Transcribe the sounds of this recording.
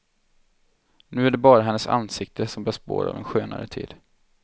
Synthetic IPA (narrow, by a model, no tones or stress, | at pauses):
nʉ̟ːæɖɛbɑːɾaɦɛnːəsa̰nːsɪk̚t̪ʰəsɔmb̪œːspo̰ːɾa̰vɛnɧøːna̰ɾət̪ʰḭːd̪̥